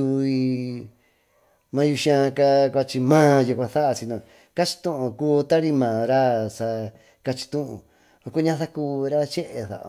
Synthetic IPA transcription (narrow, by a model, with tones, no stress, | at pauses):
u˧i˧ | mã˧ju˧ʃã˧ka˦kʷa˧t͡ʃi˧mãː˦ju˧kʷã˧θa˦ʔa˧t͡ʃi˧nã˧˨ | ka˦t͡ʃi̥˧t̪ũ˦ʔõ˧kuː˦˧t̪a˦ɾi˦mãː˨ɾa˦sa˧ | ka˧t͡ʃi̥˧t̪ũ˦ʔṵ̃˧ | o˧ko˦ɲã˧θa˦kuː˧ɾa˦t͡ʃe˦ʔe˧θa̰˨ʔ